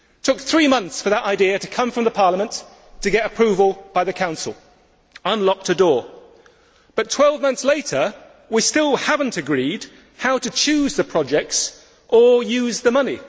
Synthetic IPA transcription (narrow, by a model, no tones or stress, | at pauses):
tʰʊk̚θɹimʌ̃nθsfə˞ðəɾʔaɪdiɨɾɨkʰʌ̃ɱfɹʌ̃mðəpʰɑɹləmə̃nt | tʰɨɡɛɾɨpʰɹ̥ʉvəl̩ˠb̥aɪðɨkʰãʊ̃nsl̩ˠ | ʌ̃nlɑk̚tɨdɔɹ | b̥ʌtʰw̥ɛlˠvmʌ̃nθsleɪɾə˞ | wistɪlˠhævn̩tɨɡɹid | haʊɾɨt͡ʃʰʉzðɨpʰɹ̥ɑd͡ʒɛk̚ts | ʔə˞jʉzðɨmʌni